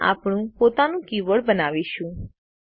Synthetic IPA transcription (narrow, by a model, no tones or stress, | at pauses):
a̰ːpɳ̃ũpoːt̪anũkiʋəɽbənaːʋiʃũ